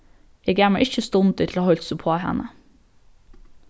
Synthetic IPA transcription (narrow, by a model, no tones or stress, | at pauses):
ɛɡæːmɑʔɪçəst̪ʊnt̪ʰɪt̪ʰl̩hɑːhɔlt̪sʊpʰoːhɛ̰nə